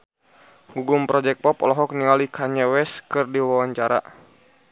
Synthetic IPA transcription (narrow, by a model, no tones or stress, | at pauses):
ŋɡuɡumpɾɔd͡ʒɛk̚pɔpɔlɔɦɔk̚nialikʰaɲawɛskɨrdiwawaɲt͡ʃaɾa̰